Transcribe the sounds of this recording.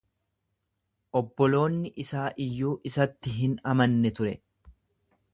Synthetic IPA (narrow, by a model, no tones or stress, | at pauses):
ʔɔbːɔlo̞ːnːɪʔɪsaːʔɪjːuːʔɪsɐt̪ːɪɦɪnɐmɐnːɛt̪ʊɾɛ